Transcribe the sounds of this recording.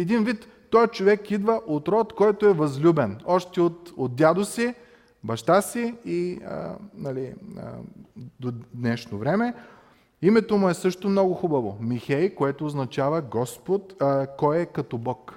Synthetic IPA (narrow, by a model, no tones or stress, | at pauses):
ɛd̪invit̪ːɔjt͡ʃovɛkid̪vəʔot̪ɾɔt̪kɔjt̪oɛvɐzlʲubɛnɔʃt̪ɛot̪od̪̚dʲjad̪osi | bɐʃt̪asiiə̰nɐliə̰d̪od̪nɛʃnovɾɛmɛ | imɛt̪omʊɛsɤʃt̪omnɔɡʊxubɐvomixɛjkoɛt̪oːznɐt͡ʃavɐɡɔspot̪kɔjɛkɐt̪ɔbɔk